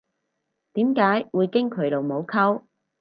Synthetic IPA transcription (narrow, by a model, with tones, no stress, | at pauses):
t̪iː˨˥mkaː˨˥jwuː˨˧jkɪ˥ŋkʰɵ˨˥ɥlo˨wmo˨˧wkʰɐ˥w